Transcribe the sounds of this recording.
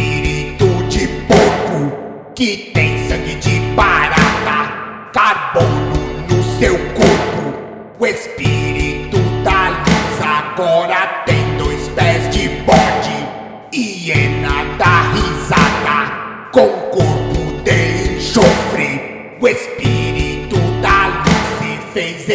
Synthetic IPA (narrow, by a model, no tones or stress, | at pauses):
iɾit̪ud͡ʒɪpokʊ | kɪt̪ẽj̃sɐ̃ɡɪd͡ʒipaɾad̪ɐ | kaɾbõd̪ʊnʊsewkoɾpʊ | uespiɾit̪ud̪aluzaɡɔɾɐt̪ẽj̃d̪ojspɛzd͡ʒɪbɔd͡ʒɪ | iɛ̃nɐd̪ahizad̪ɐ | kõw̃ʊkoɾpʊd̪eliʃofɾɪ | ʊespiɾit̪ud̪aluszɪfejz